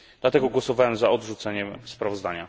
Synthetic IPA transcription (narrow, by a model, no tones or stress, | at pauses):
d̪̥lat̪ɛɡɔɡwɔsɔvawɛmzaɔd̪ʐut̪sɛɲɛmspɾavɔzd̪aɲa